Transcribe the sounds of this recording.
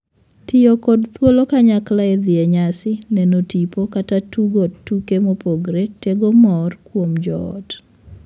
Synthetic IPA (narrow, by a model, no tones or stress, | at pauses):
tɪjokodt̪wolokaɲaklaed̪ɪɛɲasɪnɛnotipokatatuɡotːukemopoɡɾeteɡomɔrkwomd͡ʒɔɔ̰t